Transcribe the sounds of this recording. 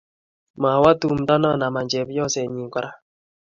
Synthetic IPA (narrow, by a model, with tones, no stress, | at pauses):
ma˨wa˦tu˦m̩˨da˦nɔ˦˨na˨ma˨ɲd͡ʒɛ˨βjɔ˦sɛ˨ɲi˨ka˨ɾa˦